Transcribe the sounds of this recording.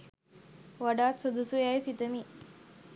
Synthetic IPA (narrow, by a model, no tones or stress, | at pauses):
ʋaɖaːt̪səd̪əsujajsit̪əmi